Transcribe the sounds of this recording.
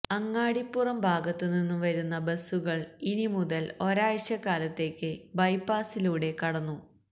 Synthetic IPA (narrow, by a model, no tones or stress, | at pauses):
ɐŋːaːɽipːurɐmbʱaːɡɐt̪ːɨninːuʋɐɾunːɐbɐsuɣɐɭinimuðɐlo̞ɾaːjɐɕjɐkaːlɐt̪ːe̞ːkʲːɨbɐjpːaːsiluːɽe̞kɐɽɐnːu